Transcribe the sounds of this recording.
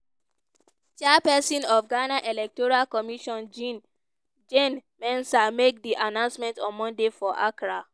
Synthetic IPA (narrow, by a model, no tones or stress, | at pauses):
t͡ʃɛpɛsĩnɔfɡanaʔɛlɛk̚tɔɹalkɔmiʃɔ̃nd͡ʒĩn | d͡ʒenmɛ̃nsamek̚diʔanãʊ̃nsmɛ̃ntɔ̃nmɔ̃ndefɔʔakɹa